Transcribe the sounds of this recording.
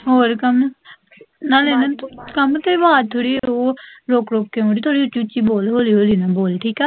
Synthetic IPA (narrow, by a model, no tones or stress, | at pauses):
ɦoːɾkəm | nãːleːnakəmt̪eʋaːt̪ʰoːɽiːoːɾoːkɾoːkːeːõːɖiːt̪ʰoːɽiːʊt͡ʃut͡ʃiːboːlɦoːliːɦoːliːnaːboːlʈʰiːkɛː